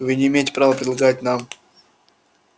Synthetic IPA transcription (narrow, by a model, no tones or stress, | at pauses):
vɨnʲɪːmʲejtʲɪ̥pɾavəpɾʲɪd̪lˠɐɡat̚ʲnam